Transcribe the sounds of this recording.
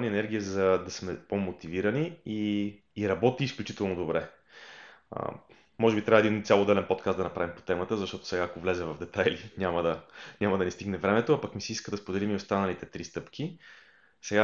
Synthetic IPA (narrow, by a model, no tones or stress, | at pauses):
niɛnɛɾɡʲiəzɐd̪ɐsmɛpomot̪iviɾɐniiː | ɾɐbɔt̪iːsklʲut͡ʃit̪ɛlˠnod̪obɾɛ | ə̰ | mɔʒɛbit̪ɾʲavɛd̪int̪sʲalˠod̪ɛlɛnpot̪kast̪d̪ɐnɐpɾavimpo̥t̪ɛmət̪əzɐʃt̪ɔt̪o̥sɛɡaːkovlɛzɛvɐvd̪ɛt̪ajlinʲaməd̪ɐɲʲamɐd̪ɐnist̪iɡnɛvɾɛmɛt̪oapɐkmisiiskəd̪ɐspod̪ɛlimiost̪anɐlit̪ɛt̪ɾist̪ɤpkʰʲi | sɛɡa